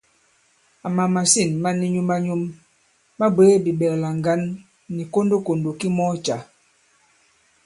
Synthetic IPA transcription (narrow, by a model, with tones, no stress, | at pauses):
a˨ma˨ma˨si˦˨nma˦ni˦ɲu˦ma˦ɲu˦mː | a˦be˦bi˨bɛ˨kla˨ŋ˨ɡa˦nː | i˨ko˦ndo˦ko˨ndo˨ki˦mɔ˦t͡ʃa˨